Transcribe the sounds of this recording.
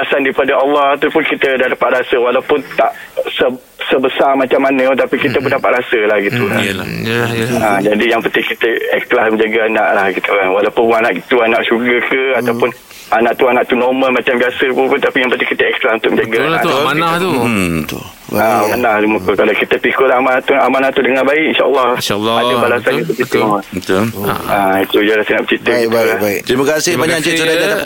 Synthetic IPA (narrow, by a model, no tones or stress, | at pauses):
dasandaipadaʔɑlːɑhat̪upʊnkit̪ədadapaʔ̪̚ɾasəwalawpʊnt̪aʔ | sə | səbəsarmat͡ʃamːanə̃t̪apikit̪əp̬ʊndapaʔ̪̚ɾasəlahɡit̪uka̰ | ad͡ʒadijaŋpət̪ihkit̪əɛklasmə̃ɲd͡ʒaɡaana̰ʔlahɡit̪ukanwalawpʊnpʊnanaʔit̪uanaʔʃuɡəkəat̪awpʊn | anãʔt̪uanaʔt̪unoməlmat͡ʃambiasəpupʊnt̪apijaŋpət̪ihkit̪əɛklasunt̪ʊk̚mə̃ɲd͡ʒaɡaaaaanat̪ut̪ | amanaht̪umuk̪ukalakit̪əpikʊlaamanat̪uamanaʔt̪udəŋabaɪʔinʃaʔəlːɑhlːadabalasanit̪ukit̪ut̪ait̪ud͡ʒaɾast̪ənaʔbət͡ʃit̪əibabaikt̪ɾimakasɪhbaɲd͡ʒat͡ʃit̪əad͡ʒaa